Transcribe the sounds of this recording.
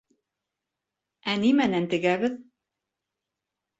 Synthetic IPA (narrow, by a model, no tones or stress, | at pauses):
ænimænænt̪ɘ̆ɡæβɘð